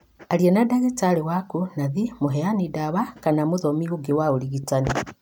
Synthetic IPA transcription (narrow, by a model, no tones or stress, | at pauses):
aɾienadaɣitalewakunaðimuɦeanidaβakanamuðomiɣuɡewaoliɣitani